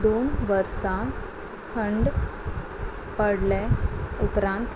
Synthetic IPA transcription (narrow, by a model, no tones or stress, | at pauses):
d̪onʋəɾsã | kʰəɳɖ | pəɽlẽupɾãnt̪